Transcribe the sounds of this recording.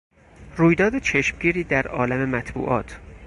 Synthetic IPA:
ɾuːjd̪ɒːd̪et͡ʃʰeʃmɟiːɾiːd̪æɾɒ̰ːlæme̞mæt̪ʰbṵːʔɒ̰ːt̪ʰ

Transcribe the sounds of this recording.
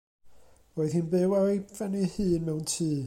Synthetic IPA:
roːɨðhinbɨwajvɛnihɨːnmɛwntʰiː

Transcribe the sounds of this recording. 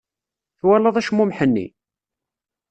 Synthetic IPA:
θwælːəðˤæʃmːumħənːḭ

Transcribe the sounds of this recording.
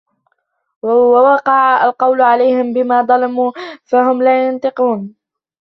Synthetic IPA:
wawɑqɑʕaa̰lqɑwlʕalajhɪmbɪmaːd̪ˤɑlɑmuːfaɦʊmlaːjʊnt̪ˤɨquːn

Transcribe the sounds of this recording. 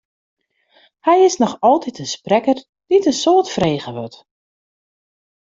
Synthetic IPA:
hɛjɪsnɔxɔlˠtitənsprɛkər | d̥itənsoːtfreːɣəʋɔt

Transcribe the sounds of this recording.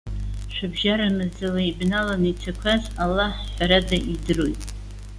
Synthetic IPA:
ʃʷᶣɨbʒaɾamɨzɨlaibnalanit͡sʰakʷʰazalːaħħʷaɾadaʔidɨrojtʼ

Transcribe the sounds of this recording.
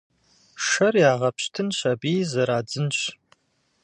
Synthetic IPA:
ʂɐrjaːʁɐpɕtʰɨnɕɐbiːzɐɾaːd͡zɨnɕ

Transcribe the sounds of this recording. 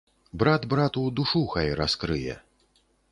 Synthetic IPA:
bɾad̪bɾat̪ud̪uʂuxɐjɾaskɾɨjɛ̰

